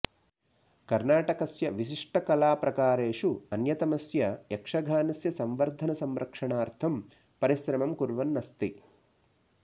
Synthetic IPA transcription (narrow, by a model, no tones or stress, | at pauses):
kɐɾnaːʈɐkɐsjɐʋiʃ̬iʂʈɐkɐlaːpɾɐkaːɾeːʂuɐnjɐt̪ɐmɐsjɐjekʂɐɡʱaːnɐsjɐsɐmʋɐɾd̪ʱɐnɐsɐmɾʔɐkʂɐɳaːɾt̪ʰɐm | pɐɾisɾɐmɐmkuɾʋɐnːɐst̪i